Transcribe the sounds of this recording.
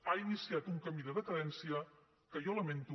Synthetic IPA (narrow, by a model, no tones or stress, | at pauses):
ainisiat̪uŋkəmiðəðəkəðɛnsiə | kəʒɔləment̪u